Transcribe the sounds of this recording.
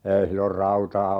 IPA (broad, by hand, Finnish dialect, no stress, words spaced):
ei silːor rɑutɑː